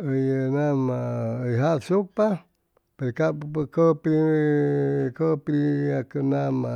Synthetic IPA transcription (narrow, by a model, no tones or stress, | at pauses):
əjənamaəjɦasupa | peɾkapəkəpi | kəpɾiakənama